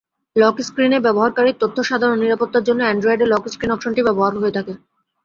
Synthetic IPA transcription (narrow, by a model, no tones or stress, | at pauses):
lɔkskɾinebɛboɦaɾkaɾiɾt̪ot̪ʰːoʃad̪ʱaɾonːiɾapot̪ːaɾd͡ʑonːoɛɳɖɾoeɖelɔkskɾinɔkʃonʈibɛboɦaɾɦoet̪ʰake